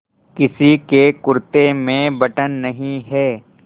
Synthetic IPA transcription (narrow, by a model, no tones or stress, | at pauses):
kɪsikekʊɾt̪emẽbɐʈənːɐɦĩɦɛː